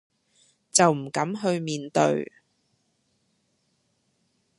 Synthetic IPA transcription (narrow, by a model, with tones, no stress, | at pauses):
t͡sɐ˨wm̩˨˩kɐ˨˥mɦɵ˧ɥmiː˨nt̪ɵ̰˧ɥ